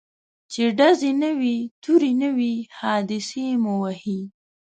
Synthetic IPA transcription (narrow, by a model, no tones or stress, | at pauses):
t͡ʃeɖazenəwit̪uɾinəwihɑd̪ɪsemuwahi